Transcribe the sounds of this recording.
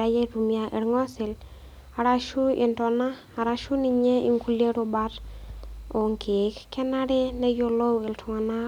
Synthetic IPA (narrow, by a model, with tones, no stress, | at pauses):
ajɛ˦ɾumjaʔe˨ɾŋɔ˦sɪ˨l | a˨ɾaʃu˦ɪ˨ntɔnaː˦˨ɾaʃu˦ni˦ɲɛ˦ḭ˨ŋku˦le˦ɾo˧baɾ | o˨ŋke˨kkɛ˦na˦ɾɛ˦nɛ˦jo˦lo˦wɪ˨ltʰʊ˨ŋa˨na˦